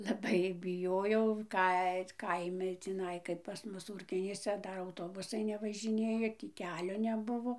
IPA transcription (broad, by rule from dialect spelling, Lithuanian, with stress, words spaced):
lˠɐˈbɐɪ bʲɪˈjoːjɛʊ ˈkɐɪ t ˈkɐɪmʲɪ tʲiːˈnɐɪ kɐɪp pɐs ˈmʊs ˈuːrʲkʲoːnʲiːsʲɛ ˈdɐr ɐʊˈtoːbʊsɐɪ nʲɛʋɐʒʲɪˈnʲeːjoː ˈtʲiː ˈkʲæːlʲoː nʲɛˈbʊʋoː